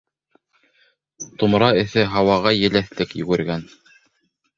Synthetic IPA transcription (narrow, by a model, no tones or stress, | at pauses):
t̪umɾɑɘ̆θɘɦɑwɑʁɑjɘ̆læθlɘkjɵ̰̆ɡɵ̆ɾɡæn